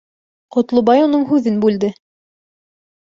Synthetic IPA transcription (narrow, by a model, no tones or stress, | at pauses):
qŏt̪lˠobɑjunɤɴɦʉðɘnbʉld̪ɘ